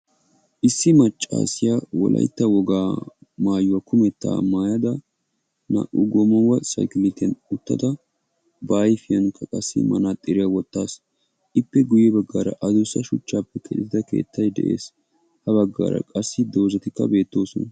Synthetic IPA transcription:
ʔɪsːɪmɐt͡ʃʼːa̰ːsɪjawɔ̰lʔɐ̰jt̪ːɐwɔɡaːmaːjʊwɐkʰʊmɛt̪ːa̰ːmaːjɐd̪ɐ | na̰ʔʊɡɔmɐwɐsɐ̰jkɪlɪt̪ɐnʊt̪ːɐ̰d̪ɐ | baːjfɪjɐnkʰɐkʼɐsːɪ̰mɐnaːt̪ʼːɪɾɪjawɔt̪ːaːs | ʔɪpːɛɡʊjɛbɐɡːaːɾɐʔɐd̪ʊsɐʃʊt͡ʃːaːpːɛkʰɛɗɪɪd̪ɐke̞̰ːt̪ʰːɐjd̪ɛ̰ʔḛːs | hɐbɐɡːa̰ːɾɐ̰kʼɐsːɪd̪o̞ːzɐt̪ɪkːɐ̰be̞ːt̪ːo̞ːsɔnɐ

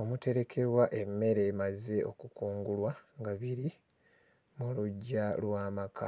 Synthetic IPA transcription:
o̞mute̞ɾe̞kʰe̞ɾwaʔemːe̞ɾe̞ːmaze̞ʔo̞̰kukuːŋɡulwaŋɡaβiɾi | muluɟːalwaːmakʰa

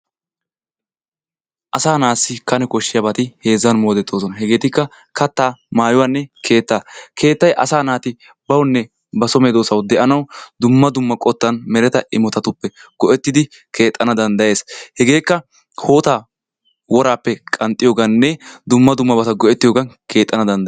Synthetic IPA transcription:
ʔɐsaːnaːsːɪkɐnɛkɔʃːɪjɐbɐt̪ɪhe̞ːzːɐnmoːd̪ɛt̪ʰːoːsɔnɐɦɛɡe̞ːt̪ɪkːɐ | kɐt̪ːaːmaːjʊwanːɛkʰe̞ːt̪ːaːkʰe̞ːt̪ːɐjʔɐsaːnaːt̪ɪ | bɐwnːɛ | bɐsɔmeːd̪oːsɐwd̪ɛʔɐnɐwd̪ʊmːɐd̪ʊmːɐkʼɔt̪ːɐnmɛɾɛt̪ɐɪmɔt̪ɐt̪ʊpːɛɡ̥ɔʔɛt̪ːɪd̪ɪ | kʰe̞ːt̪ʼːɐnɐd̪ɐnd̪ɐje̞ːshɛɡe̞ːkːɐ | ho̞ːt̪aː | wɔɾaːpːɛkʼɐnt̪ʼːɪjoːɡɐnːɛd̪ʊmːɐd̪ʊmːɐbɐt̪ɐɡɔʔɛt̪ːɪjoːɡɐnkʰe̞ːt̪ʼːɐnɐd̪ɐnd̪ɐ

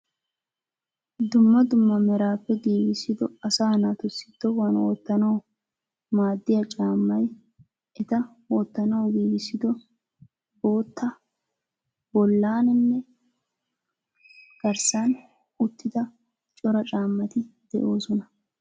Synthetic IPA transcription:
d̪ʊmːɐd̪ʊmːɐmɛɾaːpːɛɡiːɡɪsːɪd̪ɔɐsaːnat̪ʊsːɪ̥t̪ːɔwɐnɔ̰ːt̪ːɐnɐw | maːd̪ːɪjɐt͡ʃʼaːmːɐj | ʔɛt̪ɐ | wɔt̪ːɐnɐwɡiːɡɪsːɪd̪ɔ | bo̞ːt̪ːɐ | bɔlːaːnɪnːɛ | ɡ̥ɐɾsan | ʊt̪ːɪd̪ɐ | t͡ʃʼɔɾɐt͡ʃʼaːmːɐt̪ɪd̪̥ɛ̰ʔo̞ːsɔnɐ

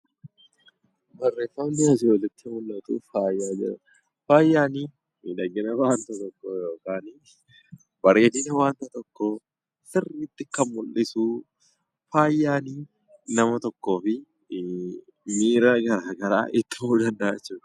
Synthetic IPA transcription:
bɐrːeːfɐmdɪɐd͡ʒoːlːɐt̪ːɪmʊlːɐt̪ṵːfaːjːaːd͡ʒɛ̰ | faːjːaːniː | miᶑ̪ɐɡɪnɐaːnt̪ɐt̪ɔkːojo̞ːkaːn | bɐreːd̪ɪnɐwaːnt̪ɐt̪ɔkːo | sɪrːiːt̪ːɪkːɐmmʊlʔɪsuː | faːjːaːniː | nɐmɐt̪ɔkːo̞ːfɪ | miːɾaːɡɐɾaːɡɐɾa̰ːʔɪt̪ːɪmuːd̪ɐnd̪ɐɐt͡ʃːuːᶑɐ

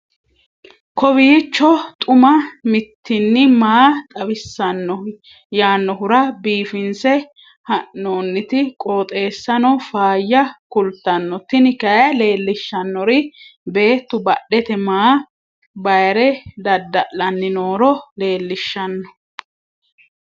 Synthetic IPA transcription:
kɔbiːt͡ʃːɔt̪ʼʊmɐmɪt̪ːɪnːɪmaːt̪ʼɐbɪsːɐnːɔ | jaːnːɔɦʊɾɐbiːfɪnsɛ | hɐʔːoːnːɪt̪ɪkʼoːt̪ʼe̞ːsːɐnɔfaːjːɐkʊlt̪ːɐnːɔt̪ɪnɪkɐjɐle̞ːlːɪʃːɐnːɔɾɪbe̞ːt̪ːʊbɐɗːɛt̪ɛmaː | bɐjɾɛd̪ɐd̪ːɐʔlɐnːɪnoːɾɔle̞ːlːɪʃːɐnːɔ

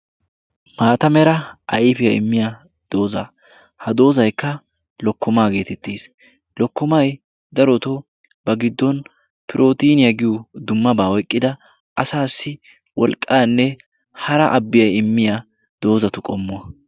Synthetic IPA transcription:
maːt̪ɐmɛɾɐʔɐjɪfɪjɐɪ̰mːɪja | d̪̥o̞ːzɐ̰ | hɐd̪o̞ːzɐjkːɐ | lɔkːɔmaːɡe̞ːt̪ɛt̪ːeːs | lɔkːɔmɐj | d̪ɐɾɔt̪ɔ | b̥ɐɡɪd̪ːɔn | pɪɾʔo̞ːt̪iːnɪjɐɡɪjud̪ʊmːɐbaːwɔjkʼːɪd̪ɐ | ʔɐsaːsːɪ | wɔlkʼːaːnːɛ | hɐɾɐ̰ʔɐbːɪjɐjɪmːɪja | d̪o̞ːzɐt̪ʊkʼɔmːʊɐ

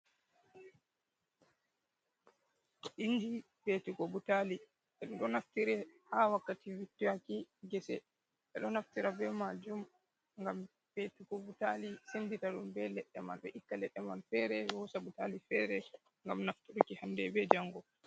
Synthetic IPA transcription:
ʔind͡ʒi | betiɡobutali | ʔɛɗuɗɔnaftiɾɛhawakːativitːujakiɡɛsɛ | ʔɛɗɔnaftiɾabɛmad͡ʒum | ŋɡam | b̥etiɡobutalisenditaɗumbɛlɛɗːɛma̰nɗɛʔikːalɛɗːɛmanfɛɾɛwɔsabutalifɛɾɛ | ŋɡamnaftuɗukihandɛbɛd͡ʒaŋɡɔ

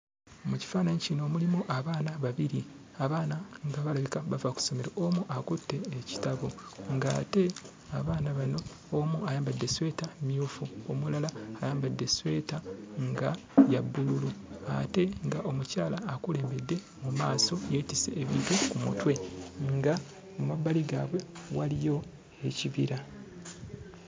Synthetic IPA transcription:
omuci̥faːnaɲicino̞ːmulimuʔaβaːnaβaβiɾi | aβaːnaŋɡaβalaβikaβavaku̥so̞me̞ɾaomuʔakutːe̞ːci̥taβoŋɡaːte̞ | aβaːnaβano̞ː | muajaːmbadːe̞swe̞ːtamjuːfuomulalaːjaːmbadːe̞swe̞ːtaŋɡa | jabːululua̰te̞ŋɡaʔo̞mucaːlaːkule̞ːmbe̞dːe̞ | mumaːso̞jeːtisḛʔːβitukumṵtwe̞ŋɡa | omabːaliɡaβwe̞walijo̞ | eciβiɾa

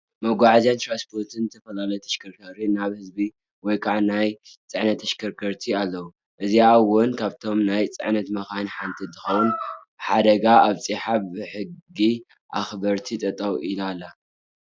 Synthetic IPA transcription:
mɐɡʷaʕazjant̪ɾanspʰo̞ɾt̪ʰɨnzɨt̪ʰɐfɐlalɐjt̪ʰɐʃkʰɐɾkʰɐɾinaβhɨzbi | wɔjkʰaʕanajt͡sʼɨʕnɐt̪ʰːɐʃkʰɐɾkʰɐɾt̪ʰialːɐwu | ʔɨziawʊnkʰaβt̪ʰo̞mnajt͡sʼɨ̰ʕnɐt̪mɐxanħant̪ʰint̪ʰɨxɐwunbɨħad̪ɐɡaʔaβt͡sʼiħabbɨħɨɡɡːi | ʔa̰xbɐɾt̪ʰit̪ʼɐt̪ʼɐwʔilalːa

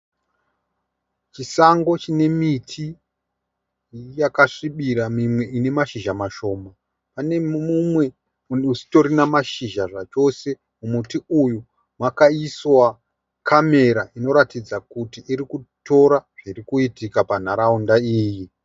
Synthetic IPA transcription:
t͡ʃisaŋɡo̞t͡ʃine̞mitʰi | jakaʂiɓiɾamimwe̞ʔine̞maʃiʒamaʃo̞ːma | pane̞mumwe̞ | unusi̥to̞ɾinamaʃiʒaʐat͡ʃo̞se̞ | mumutiuju | mwakaiswa | kʰame̞ɾaʔino̞ɾatid͡zakutiʔiɾikuto̞ɾaʐ̥iɾikuitikapan̤aɾaundaiːji

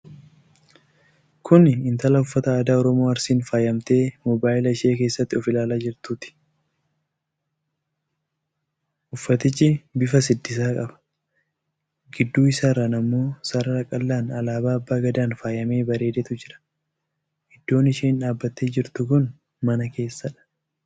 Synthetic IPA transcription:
kʰʊnɪnt̪ɐlɐʊfːɐt̪ɐaːd̪aːɔɾɔmoːɐɾsiːnfaːjɐmt̪e̞ːmɔbaːjɪlɐɪʃe̞ːk̬e̞ːsːɐt̪ːɪɔfɪlaːlaːd͡ʒɪɾt̪uːt̪ɪ̥ | ʔʊfːɐt̪ɪt͡ʃːɪbɪfɐs̬ɪd̪ːɪs̬aːkʼɐbɐ̥ | ɡɪd̪ːuːɪsaːɾɐnɐmːo̞ːsɐɾɐɾɐkʼɐlːaːnɐlaːbaːɐbːaːɡɐd̪aːnfaːjɐme̞ːbɐɾe̞ːd̪ɛt̪ʊd͡ʒɪɾɐ̥ | ʔɪd̪̥ːo̞ːnɪʃeːɪnᶑaːbːɐt̪ːe̞ːd͡ʒɪɾt̪ʊkʊn | mɐnɐke̞ːsːɐᶑɐ̥

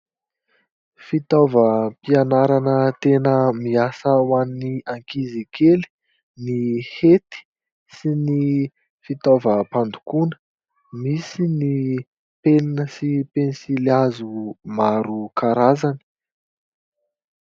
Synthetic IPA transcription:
fit̪ovəpianaɾanət̪enəmiasawanniaŋkizikʰeli̥ | nihet̪i̥ | sini | fit̪ovəpand̪ukunə̥ | misini | peninəsipensilazumaɾukaɾazani̥

